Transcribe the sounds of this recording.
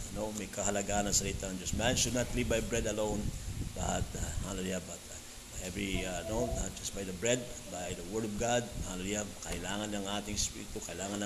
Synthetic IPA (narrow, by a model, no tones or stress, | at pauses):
nomejkɐɦɐlɐɡaɐnɐŋsɐlit̪aɐ̃ŋd͡ʒɐsmɛ̃nʃonat̪libajbɹɛd̪ɐlõwnba̰t̪ahalɛliabat̪ | bajɛvɹinonat̚d͡ʒɐsbajd̪əbɹɛd̪̚bajðəwɜɹdɔvɡad̪̚halɛliakɐʔɪlaːŋɐnlɐŋaːt̪ɪŋspḭɾɪt̪ukɐɪlaːŋɐnlɐ